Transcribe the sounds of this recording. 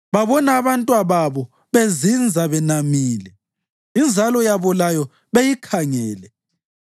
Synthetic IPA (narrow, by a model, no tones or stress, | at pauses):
βaβɔnaːβantʼwaβaβɔ | βezind͡zʱaβɛnamiːlɛ | ind͡zʱalɔjaβɔlajɔ | βejikʰaŋɛːlɛ